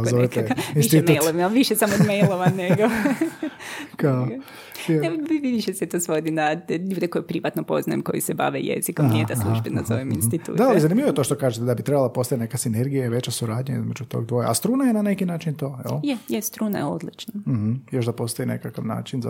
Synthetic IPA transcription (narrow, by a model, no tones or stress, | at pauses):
zoet̪einiʃemjlˠoʋimaʋiʃesamod̪mejlˠoʋaneɡo | kao | ʋiʋid̪iʃesɛt̪osʋo̞d̪inaʎuːd̪eko̞jupɾiʋat̪nopo̞znajḛmko̞̰jiseba̰ʋḛjḛzikomnijed̪alˠuʒbenazoʋimḭnst̪it̪ṵːd̪aalˠizanimʎiʋojet̪oʃt̪okaːʒet̪ed̪abit̪ɾebalˠapo̞st̪aenekasineɾɡijaiʋe̞t͡ɕasuɾaːd̪ɲaḭzmed͡ʒut̪o̰ːɡ̚d̪ʋojeast̪ɾuːnajenane̞kinaːt͡ʃint̪oːɛ̰lˠjejest̪ɾuːna̰jeo̰d̪lit͡ʃnam̩h̩joʃd̪apo̞st̪oinekakaʋna̰ːt͡ʃinza